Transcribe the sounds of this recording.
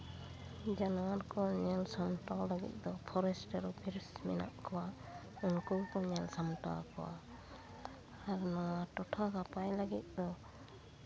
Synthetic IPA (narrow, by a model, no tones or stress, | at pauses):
d͡ʒanaaɾkʰɔɲɛlsamtawlaɡḭt̪̚ˀd̪ɔpʰɔɾɛsʈaɾbiɾsmɛna̰ʔkʰɔwa | unkuwkɔɲɛlsamta̰kʰɔwa̰ | aɾnawatɔʈʰakapajlaɡit̪̚ˀd̪ɔ